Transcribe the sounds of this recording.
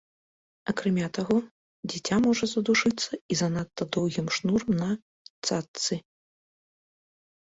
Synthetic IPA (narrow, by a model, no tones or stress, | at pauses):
ɐkɾamʲat̪aɣɔ | d͡zʲɛt͡sʲamɔʐɐzɐd̪uʂɨt̪sːɐizɐnat̪ːɐd̪ɔwɣʲimʂnurmnɐ | t̪sat̪sɨ